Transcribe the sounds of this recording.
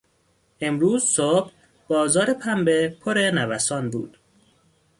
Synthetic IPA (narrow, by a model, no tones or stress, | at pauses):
ʔe̞mɾuːzsob̥ | bɒːzɒːɾe̞pʰæmbepʰoɾenævæsɒːnbṵːd̪̥